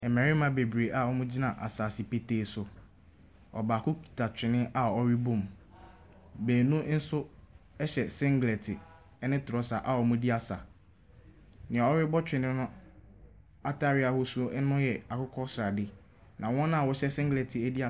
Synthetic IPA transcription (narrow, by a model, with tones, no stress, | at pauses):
ɛ˨mɛ̃˨ɾɪ˦mã˦be˨bɾe˨ʔa˦wɔ˦mũ˦d͡ʑi˦nã˨ʔa̰˨saː˨sɪ˨pe˨teː˨sʊ˨ | ɔ̰˨baː˨kʊ˦kʰi̥˨tʰa˨t͡ɕᶣɪ̃˨nɪ̃˦a˦˨ɔ˦ɾɪ˦bʊ̃˦˨m | beː˨nũ˦n̩˦sʊ˦ɛ˦ɕɛ˨sɪ̃˦ŋɡlɛ˨tʰɪ˨ | ɛ˦nɪ̃˦tʰʊ˨ɾɔ˦sa˨ʔa˨wɔ˨mʊ̃˦di˦a˨sa˨ | nɪ̃˨a˨ɔ˦ɾɪ˦bɔ˦t͡ɕᶣɪ̃˨nɪ̃˦nʊ̃˦ | a˦tʰa˦ɾɪ˦a˦hʊ˦su˨˦o˦ʔɛ˦nʊ̃˦jɛ˨a˨kʊ˦kʰɔ˦sɾa˨dɪ˦ | nʔã˨wɔ̃˦nã˦˨wɔ˦ɕɛ˦sɪ̃˦ŋɡlɛ˨tʰɪ˨æ˦di˦a˨